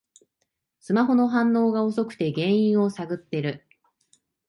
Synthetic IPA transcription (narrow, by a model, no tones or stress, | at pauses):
sɨmaɦo̞no̞ɦãnːo̞ːɡao̞so̞kɯ̟̥t̪e̞ɡẽ̞ɰ̃ĩɰ̃o̞saɡɯ̟t̪ːe̞ɾɯ̟